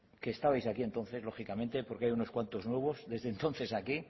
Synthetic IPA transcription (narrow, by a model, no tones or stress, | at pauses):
ke̞ːst̪aβajsakie̞nt̪o̞nθe̞zlo̞χikamẽnt̪epo̞ɾkeajuno̞skwant̪o̞znweβ̞o̞zðe̞zðe̞nt̪o̞nθe̞saki